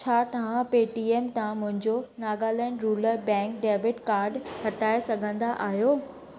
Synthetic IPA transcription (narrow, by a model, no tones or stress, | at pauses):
t͡ɕʰaːt̪ɐʋ̤ãpeːʈieːmt̪ɐãmʊ̃ɦɪ̃ɲd͡ʑonaːɡaːlɛːɳɖɾuːləɾbɛ̃ːŋkɖeːʋɪʈkaːɾɖhɐʈaːesɐɡʱə̃nd̪aʔaːɦijoː